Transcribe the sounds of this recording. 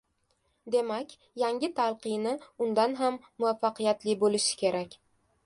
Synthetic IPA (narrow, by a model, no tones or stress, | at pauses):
d̪e̞makʲ | jaŋʲɪt̪ʰalˠqɨjnɪʊnd̪anɦamːʊafːaqʰɨjat̪lɪbolɪʃɪ̥kʲe̞ɾakʲ